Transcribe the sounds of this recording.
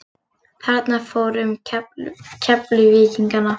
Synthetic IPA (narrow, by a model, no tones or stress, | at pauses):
θɛɾt̪nafoːwɾʏm | cʰɛplʏvɪːciŋkanːa